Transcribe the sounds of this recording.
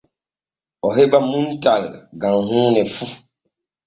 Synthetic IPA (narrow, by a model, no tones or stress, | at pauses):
ɔɦebamuntalɡãŋhũːnɛfu